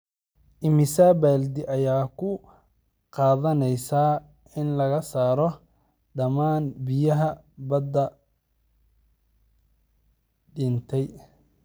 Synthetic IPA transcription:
ʔɪmɪsaːbɛːld̪ɪʔɐjaːkʰʊ | qɑːðɐnɛjsaː | ɪnlɐɣɐsaːɾɔ | ɖɐmaːnbɪjɐɦɐ | bɐd̪ːɐ | ɖɪnt̪ʰɛj

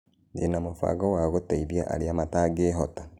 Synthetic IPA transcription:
nenamofa̰ɡɔwaɣotaiβjaʔa̰ɾiamataːɡeːɦɔta

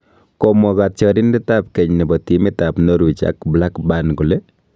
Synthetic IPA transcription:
komɔkat̚t͡ʃɔɾɪndɪtap̚kɛɲnibɔtimɪtapnoɾut͡ʃa̰kblakbankule

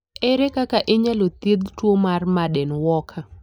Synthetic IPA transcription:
ɛɾɛkakaʔeɲalot̪id̪twomarmadɛnwɔkʰa

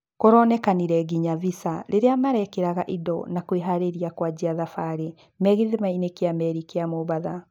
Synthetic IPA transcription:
koɾɔnɛkaniɾɛɡiɲavisaɾʔeɾeamaɾɛkeɾaɣaʔidɔ̰nakweɦaɾeɾiakwad͡ʑiaðafaɾe | mɛɣiðemainekeamɛɾikeamoβaða

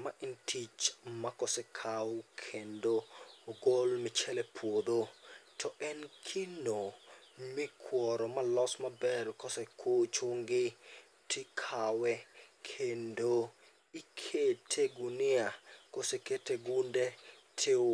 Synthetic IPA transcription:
maʔintʰit͡ʃmakɔsɛkʰawkʰendoːɡolmɪt͡ʃɛlɛpʰwod̪otʰɔʔɛnkʰinomɪkʰwɔɾɔmalɔsmabɛɾkɔsɛkot͡ʃuŋɡɪ | tʰɪkʰawɛkʰendo | ikʰetʰeɡunɪakoseketeɡunde | tʰeo

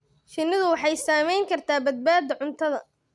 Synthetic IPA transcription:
ʃɪnːɪðʊwɑħɑjsaːmɛjŋkʰɐrt̪ʰaːbɐd̪̚baːd̪ɐʕʊnt̪ʰɐðɐ

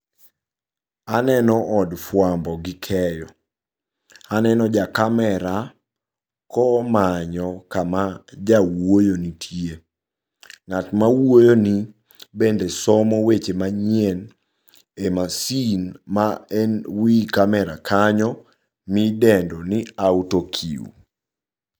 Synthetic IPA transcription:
anɛnɔʔɔdfwambɔɡɪkʰɛjɔ | anɛnɔd͡ʒakamɛɾa | kɔmaɲɔkamad͡ʒawojonitʰjie | ŋatmawojoni | bendesɔmɔwet͡ʃemaɲɛn | emasinmaɛnwikamɛɾakʰaɲɔ | midɛndɔnɪautokʰḭṵ

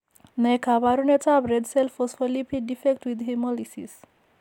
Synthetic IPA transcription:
nejkʰabaɾunet͡sabɾeɖselfɔsfɔlipʰiɖifek̚ʈwid̪ɦemɔlisḭs

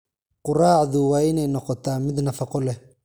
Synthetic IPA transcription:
qʊraːʕaðʊwaːɪnɛjnɔqɔt̪aːmɪd̪nɐfɐqɔlɛ

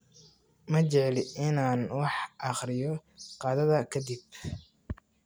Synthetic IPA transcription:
mɐt͡ʃɛʕɛlɪʔɪnaːnwɑħʔɑχɾɪjɔqɑːðɐðɐkʰɐd̪ib̚

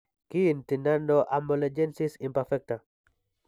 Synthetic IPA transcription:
kintinandoʔamɔled͡ʒɛnsisimpɛɾfɛk̚ta

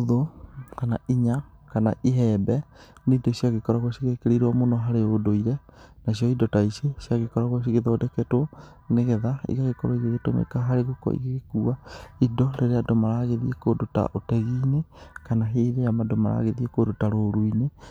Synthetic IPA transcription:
oðokana̰iɲakanaʔiɦɛbɛneidɔsijaɣekɔɾaɣwɛsiɣekeɾeiɾwɔmonɔɦaɾeodoiɾɛnas̬iɔidɔtaisesjaɣekɔɾaɣwas̬iɣeðɔodɛkɛto | neɣɛðaḭɣaɣekɔɾoiɣeɣetomḛikaɦaɾeɣokɔ̰ḭɣeɣekuaidɔɾeɾeadomaɾaɣeðiekodota̰ʔotɛɣinekanaɦeːɾejamadoma̰ɾa̰ɣeðiekodotaɾoɾuine

